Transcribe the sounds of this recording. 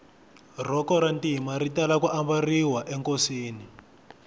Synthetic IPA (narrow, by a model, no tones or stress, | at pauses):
r̤ɔkɔɾantimaritalakuʔambariwaʔɛŋkosiːni